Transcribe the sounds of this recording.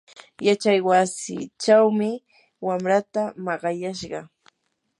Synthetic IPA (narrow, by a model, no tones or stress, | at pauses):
jat͡ʃajwasɪ̰t͡ʃawmɪ | wamɾat̪amɑɢɑjaʃɢɑ